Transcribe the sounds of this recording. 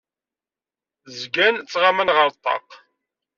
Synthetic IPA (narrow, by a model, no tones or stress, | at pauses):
zɡænt͡sːʁamənʁəɾˤt̪ˤːɑ̰q